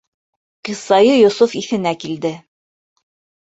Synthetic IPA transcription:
qisɑjɤjŏsufiθɘ̆nækild̪ɘ

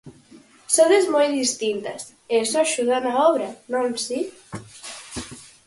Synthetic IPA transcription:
soðezmojðist̪int̪ɐs | esɔʃuðanaɔβɾɐnõmsi

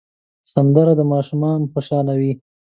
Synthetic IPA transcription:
sand̪əɾad̪əmɑʃumɑnxoʃɑlawi

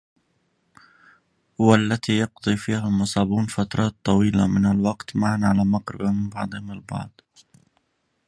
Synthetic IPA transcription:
hʊwaʔlːat̪iːjɑqd̪ˤiːfiːhamʊsˤɑːbuːnfat̪ɾˤɑːt̪ˤːɑwiːla̰mɪnalwɑqt̪maʕanʕalaːmaqɾɪ̰bamɪmbɑʕd̪ˤɨhɪmalbɑ̰ʕd̪ˤ

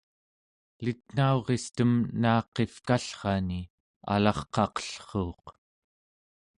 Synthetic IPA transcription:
lit̪̚n̥aoʁe̞st̪əmnaːqe̞fkaɬχɑni | a̰lɑχqɑqə̥ɬχoːq

